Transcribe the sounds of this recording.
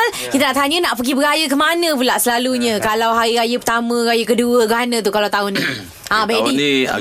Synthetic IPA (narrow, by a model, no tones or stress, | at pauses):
l | kit̪anaʔt̪aɲə̃naʔpəɡibəɾajək̬əmanə̃pulaʔsəlaluɲə̃kalawɦaɾiɾajəpət̪amə̃ɾajəkəduəɡanə̃t̪̬ukalawt̪aʊnĩ | ʔãbai